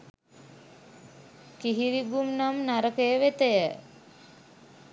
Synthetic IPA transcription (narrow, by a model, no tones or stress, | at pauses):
kiɦiɾiɡumnamnaɾəkəjəʋet̪əjə